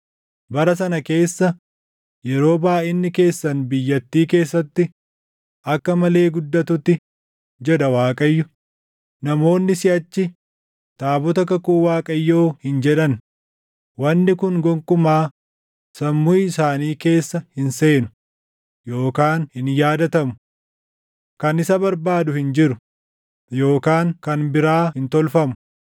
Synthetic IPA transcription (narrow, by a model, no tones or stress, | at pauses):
bɐɾɐs̬ɐnɐke̞ːsːɐ | jɛɾo̞ːbaːʔɪnːɪke̞ːsːɐnbɪjːɐt̪ːiːke̞ːsːɐt̪ːɪ | ʔɐkːɐmɐle̞ːɡʊd̪ːɐt̪ʊt̪ːɪ | d͡ʒɛᶑɐwaːkʼɐjːʊ | nɐmo̞ːnːɪsɪʔɐt͡ʃːɪ | t̪ʼaːbɔt̪ɐkɐkuːwaːkʼɐjːoːhɪnd͡ʒɛᶑɐn | wɐnːɪkʊŋɡɔŋkʼʊmaː | sɐmːʊjɪsaːniːke̞ːsːɐhɪnse̞ːnʊ | jo̞ːkaːnhɪnjaːd̪ɐt̪ɐmʊ̥ | kɐnɪsɐbɐɾbaːd̪ʊhɪnd͡ʒɪɾʊ | jo̞ːkaːŋkɐnbɪɾaːhɪnt̪ɔlfɐmʊ̥